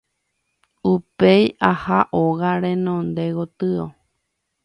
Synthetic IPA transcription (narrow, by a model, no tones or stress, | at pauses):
upejahaʔoɣaɾẽ̞nõnd̪e̞ɣot̪ɨo